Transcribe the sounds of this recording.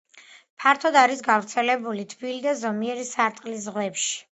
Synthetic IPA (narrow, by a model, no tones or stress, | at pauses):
pʰaɾt̪ʰɔd̪aɾisɡavɾt̪sʰɛlɛbulit̪ʰbilid̪azɔmiɛɾisaɾt̪ʼqʼlis̬ʁwɛpʃi̥